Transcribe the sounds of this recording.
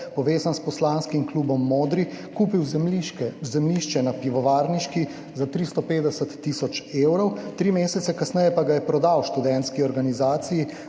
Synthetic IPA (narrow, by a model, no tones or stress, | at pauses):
pɔʋeːzanspɔslaːnskimkluːbɔmːoːd̪ɾikuːpiw | zɛmliʃt͡ʃɛnapiʋɔʋaːɾniʃki | zat̪ɾist̪ɔpeːd̪ɛsət̪ːisɔt͡ʃeːwɾɔwt̪ɾimeːsɛt̪sɛkasnɛjɛpaɡajɛpɾɔd̪awʃt̪ud̪ɛnt̪skiɔɾɡanizaːt̪siji